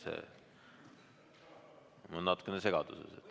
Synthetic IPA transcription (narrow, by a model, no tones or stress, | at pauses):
sḛ | monːɑt̪ːˑu̥kːˑenese̞ɡ̥ɑd̪̥usḛset̪ː